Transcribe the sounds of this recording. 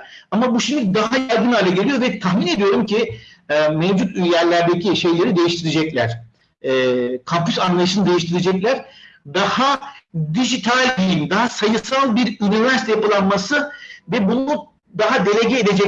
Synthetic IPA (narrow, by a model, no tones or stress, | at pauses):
amabuʃimd̪ʲid̪aɦajaɾɡ̪ɯnaːlʲɛɟe̞lʲijo̞ɾvɛt̪ʰaxmine̞d̪ijo̞ɾumcʰiɛmevd͡ʒut̪yjjæɾlʲæɾd̪ecʰiʃe̞jlʲe̞ɾid̪e̞jiʃt̪ʰiɾed͡ʒɛclʲæ̰ɾ̝̥ | ɛkʰampysanlˠaɯʃɯnɯd̪e̞jiʃt̪ʰiɾed͡ʒɛclʲæɾ̥d̪ahad̪iʒit̪ʰalʲd̪ijimd̪aɦasajɯsalˠbiɾynivæɾst̪japɯlˠanmasɯvɛbun | d̪aɦad̪e̞lʲe̞ɟeeːd̪e̞d͡ʒɛ